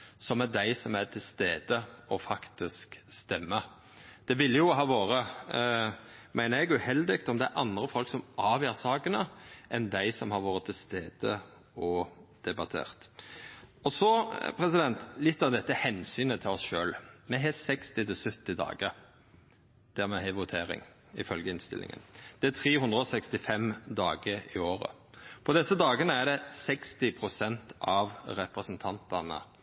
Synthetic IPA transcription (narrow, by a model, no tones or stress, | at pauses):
sɔmɛd̪æɪsɔmæt̪ʰɪlst̪eːd̪əɔfɑkt̪ɪskst̪ɛmːə | d̪̥ɛʋɪlːəjʊɦɑːʋoːɾə | mʔæɪnəɾɛɡʉhɛld̪ɪɡt̪ɔmd̪ɛæɾʔɑ̰nd̪ɾəfɔlksɔmʔɑːʋjæːsɑːɡənəʔɛnd̪æɪsɔmhɑɾʋoːɾət̪ʰɪlst̪eːd̪̥ə | ɔd̪̥ɛbɑt̪ʰḛːɾt̪ | ɔsɔpʰɾɛsɪd̪ɛnt̪lɪt̪ːɑʋd̪ɛt̪ːəhɛnsyːnət̪ʰɪlɔsʃøːlmɛɦɛsɛkst̪ɪt̪ɪlsʉt̪ːɪd̪ɑ̰ːɡəɾ | d̪̥æʁmɛɦæɪʋʊt̪ʰeːɾɪ̰ŋ | ɪfœlɡəɪnst̪ɪ̰lɪ̰ŋə̰nd̪̥ɛæt̪ʰɾeːhʉnd̪ʁəɔsɛkst̪ɪfɛmd̪ɑːɡəɾɪoːɾə̰ | pʰɔd̪ɛsəd̪ɑːɡənəæɾɖ̪ɛsɛkst̪ɪpʰɾʊsɛnt̪ɑʋɾɛpɾəsənt̪ʰɑnt̪ɑnə̰